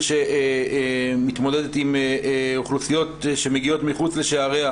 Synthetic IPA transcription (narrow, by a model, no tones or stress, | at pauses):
ʃe̞ | mit̪mo̞ded̪et̪imoχlusijo̞t̪ʃe̞meɡio̞tmiχut͡sle̞ʃeaʁea